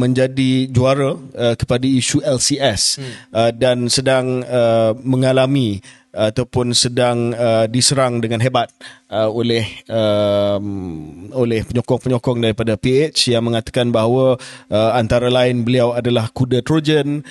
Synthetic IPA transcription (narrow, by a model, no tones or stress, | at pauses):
mə̃ɲd͡ʒadid͡ʒuaɾaəkə̥padaisuɛlsiɛsədansədaŋəməŋalamĩ | at̪awpʊnsədaŋədisəɾaŋdəŋãnɦebat̪̚əolɛhəmolɛhpəɲɔkɔŋpəɲɔkɔŋdaɾipadapiet͡ʃjaŋmə̃ŋat̪ḁkanbaɦwaəant̪aɾalaɪnbəliawadalahkudat̪ɾod͡ʒən